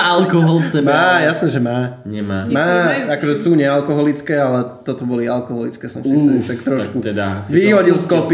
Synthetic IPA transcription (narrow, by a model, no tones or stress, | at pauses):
alkɔɦɔlsɛmaːjasnɛʒɛmaːɲɛmaːmaːakɔʒɛsuːɲɛalkɔɦɔlit͡skɛːalɛt̪ɔt̪ɔbɔlialkɔɦɔlit͡skɛːsɔ̰msiɛt̪akt̪ɾɔʃkut̪ɛd̪aʋiɦɔɟilskɔpi